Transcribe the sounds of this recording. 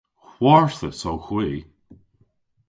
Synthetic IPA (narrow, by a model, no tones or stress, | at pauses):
hwɔɹθəsowxwiː